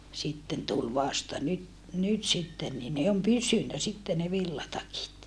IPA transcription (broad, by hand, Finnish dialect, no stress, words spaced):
sitːen tul ʋɑstɑ nyt nyt sitːen niː ne om pysynæ sitːe ne ʋilːɑtɑkit